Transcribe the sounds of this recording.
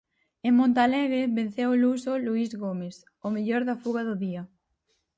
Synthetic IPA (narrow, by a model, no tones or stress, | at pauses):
eŋmõnt̪alɛɣɾeβen̟θewolusoluizɣomes | omeʎoɾðafuɣaðʊðia